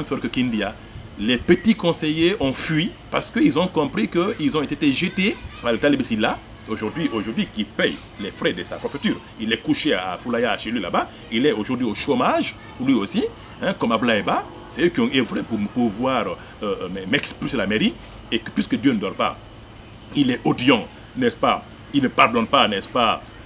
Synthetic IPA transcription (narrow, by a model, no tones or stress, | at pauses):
ɛ̃msɛɾkəkĩnd̪ja | lɛpət̪ikɔ̃sejeɔ̃fɥi | paʁsə̥kəilzɔ̃kɔ̃pʁikəilzɔ̃et̪et̪eʒət̪epaʁlet̪alibesila | oʒuʁd̪ɥiʔoʒuʁd̪ɥikipɛj | lɛfɾɛd̪əsa̰fafyt̪yːʁ | ilɛkuʃea̰fulajaʃelila̰ba | ilɛoʒuʁd̪ɥioʃomaʒ | lɥiosi | ɛ̃kɔmablaeba | sɛøkiɔ̃evʁepupuvwaʁ | ømɛmɛksplysəlameʁi | ekə̥pɥiskəd̪jønəd̪ɔʁpa̰ | ilɛʔod̪jɑ̃ | nɛspa̰ | ilnəpaʁd̪ɔnpanɛspa